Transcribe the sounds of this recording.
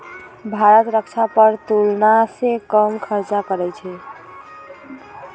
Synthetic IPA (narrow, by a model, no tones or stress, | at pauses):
bʱaɾət̪ɾəkt͡ʃʰapəɾt̪ulnasẽkəmkʰəɾt͡ʃakəɾɛt͡ʃʰɛ